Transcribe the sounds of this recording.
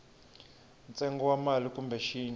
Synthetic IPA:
nt͡sʼɛŋɡɔwamalikumbɛʃiːn

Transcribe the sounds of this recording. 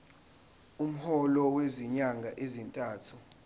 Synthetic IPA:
um̩hɔlɔweziɲaŋɡʱaʔezintʼaːtʰu

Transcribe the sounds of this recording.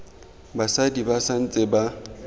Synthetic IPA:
basadibasan̩t͡sʼɪba

